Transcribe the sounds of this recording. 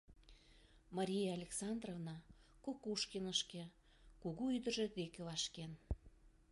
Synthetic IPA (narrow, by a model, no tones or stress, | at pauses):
mɑɾʲijeɑlʲeksɑnd̪rovnɑkokuʃkenəʃke | kuɣuyd̪ə̆ʒĕd̪ekevɑʃken